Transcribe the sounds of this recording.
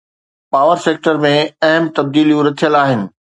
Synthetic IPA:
paːʋəɾseːk̚ʈəɾmẽɐɦəmt̪ɐb̚d̪iːlijũɾɐt̪ʰijəlaːɦɪnɪ̆

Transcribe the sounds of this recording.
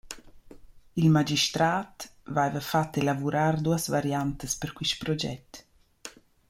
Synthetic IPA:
ilmad͡ʒiʃt̪ɾaːt̪vajvəfat̪ːelavuɾard̪uasvaɾjant̪əspəɾkwiʃpɾɔd͡ʒɛ̰t̪

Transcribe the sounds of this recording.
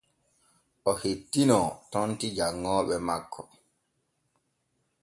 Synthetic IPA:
ʔɔhetːinɔtɔntid͡ʒaŋːɔːɓɛmakʰːɔ

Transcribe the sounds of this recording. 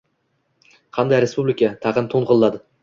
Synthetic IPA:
qʰɑnd̪ajɾespublʲɪkat̪ʰɑʁɨnt̪ʰoɴʁʊlˠːad̪ɪ

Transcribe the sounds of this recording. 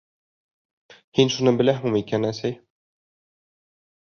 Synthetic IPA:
hinʃunɤbɘ̆læɦmumikænæsæj

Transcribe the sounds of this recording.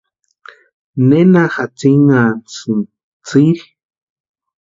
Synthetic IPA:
nenaxat͡siŋansɨn | t͡siɾ

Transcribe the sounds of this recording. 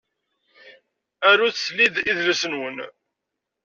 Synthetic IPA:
æɾːuθslːiðiðləsənwən

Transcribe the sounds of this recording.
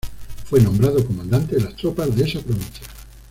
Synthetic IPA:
fwenõmbɾað̞okomãnd̪ant̪eðelast̪ɾopazðeesapɾoβĩn̟θjḁ

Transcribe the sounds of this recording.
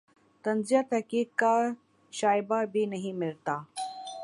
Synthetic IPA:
t̪ɐnzijat̪ɐkiːkːa | ʃaːɪbabʱinɐɦĩmɪlt̪aː

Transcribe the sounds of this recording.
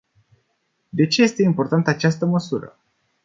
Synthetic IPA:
d̪e̞t͡ʃe̞je̞st̪e̞impo̞rt̪ant̪əat͡ʃast̪əməsuɾə̰

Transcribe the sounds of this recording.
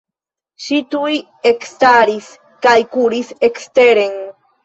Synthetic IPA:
ʃit̪uj | ekst̪aɾis | kajkuɾisekst̪eɾeŋ

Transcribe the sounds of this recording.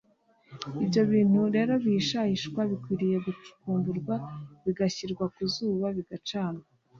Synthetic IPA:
ibjo̞βiːn̥huɾe̞ːɾo̞βiʃahiʃkwaβikwiːɾije̞ɡut͡ʃu̥kuːmbuɾɡwaβiɡaçiɾɡwakuzuːβaβiɡat͡ʃaːnɡa

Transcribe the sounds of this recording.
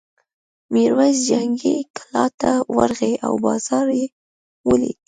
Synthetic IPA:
miɾwazd͡ʒaŋɡiklɑt̪awa̰ɾɣeʔawbɑz̥ɑɾje | wəlḭ

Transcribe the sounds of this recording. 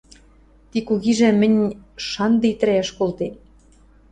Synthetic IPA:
t̪ikuɣiʒĕmɘ̆nʲʃɑnd̪ɤit̪ɘ̆ɾæʃkolt̪e

